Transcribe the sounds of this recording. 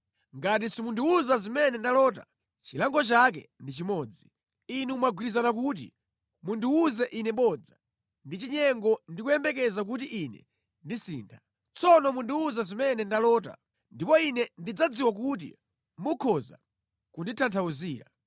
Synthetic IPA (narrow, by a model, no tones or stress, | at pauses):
ŋɡat̬isimunduuzazimɛnɛndalɔːta̰ | t͡ʃilaŋɡɔt͡ʃak̬ɛ̰ndit͡ʃimɔːd͡zi | inuumaɡwiɾizanak̬ut̬ḭ | munduuzɛʔinɛɓɔd͡za | ndit͡ʃiɲɛŋɡɔndikujɛmbɛk̬ɛzak̬ut̬iʔinɛ̰ | ndisḭːntʰa | t͡sɔnɔmunduuzazimɛnɛndalɔːt̬a̰ | ndipɔinɛndid͡zad͡ziwak̬ut̬ḭ | mukʰɔza̰ | kunditʰantʰauziːɾa̰